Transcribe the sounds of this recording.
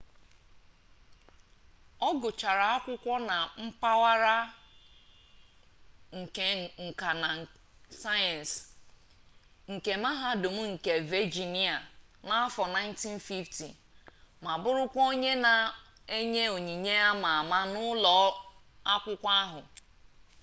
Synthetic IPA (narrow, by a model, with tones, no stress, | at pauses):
ɔ˦ɡʊ˨t͡ʃa˨ɾa˨a˦kʷʊ˦kʷɔ˦na˨m̩˦pa˦wa˦ɾa˦ | ŋ̩˨ke˨ŋ̩˨ka˨na˨ | sa˦jɛ˨n˨s | ŋ̩˨ke˨ma˦ɦa˦dʊ˨m̩˦ŋ̩˨ke˨ve˦d͡ʒi˨ni˦a˨ | na˦fɔ˨na˦ɪ˦n˦ti˦n̩˦fi˦ftḭ˨ | ma˨bʊ˦ɾʊ˦kʷo˦ɲe˦na˨ | e˦ɲe˦o˨ɲi˨ɲe˦a˦ma˨ma˦nʊ˦lɔ˨ | a˦kʷʊ˦kʷa˦ɦʊ˨